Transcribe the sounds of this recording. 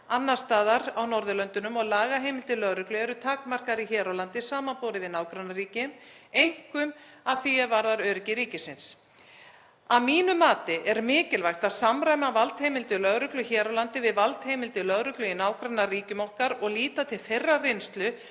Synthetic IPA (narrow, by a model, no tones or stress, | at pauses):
anːḁst̪aːðaɾawnɔɾðʏlœnt̪ʏnʏmɔɣlaːɣaɦejmɪlt̪ɪlœɣɾʏklʏɛɾʏt̪ʰaːkmar̥kaɾiçɛːɾawlant̪ɪsaːmanpoːwɾɪvɪðnaːwkɾanːaɾriːcɪm | ejŋ̥kʏm | aðθiɛðvaɾðaɾœːɾɪcɪɾiːcɪsɪns | aðmiːnʏmaːt̪ɪʔɛɾmɪːcɪlvajxt̪aðsamɾajmavalt̪hejmɪlt̪ʏlœɣɾʏklʏçɛːɾawlant̪ɪvɪðvalt̪hejmɪlt̪ɪlœɣɾʏklʏinaːwkɾanːariːcʏmɔhkaɾɔɣliːt̪at̪ʰɪlθejrːarejnst̪lʏ